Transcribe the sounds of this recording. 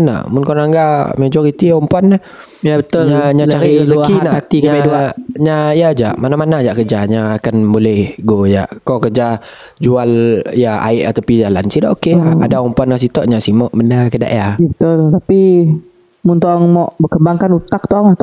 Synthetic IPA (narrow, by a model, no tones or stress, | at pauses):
na̰ʔmʊnkoɾaŋaŋɡamed͡ʒɔɾit̪iɔmpanːah | jabət̪ʊlɲaɲat͡ʃaɾizəkinaat̪ikɲaamɛduaɲajad͡ʒaʔmanamanad͡ʒaʔkəd͡ʒaɲaakanbolɛhɡoja̰ʔkɔkəd͡ʒa | d͡ʒualjaa̰ɪʔat̪apid͡ʒalansidaʔokeaa̰daɔmpuanːas̬it̪ɔʔɲasimɔʔmənakəda̰ʔjajabət̪ʊlt̪api | mʊnt̪ɔʔaŋmɔʔbəkəbaŋkanut̪ak̚t̪ɔʔaŋat̪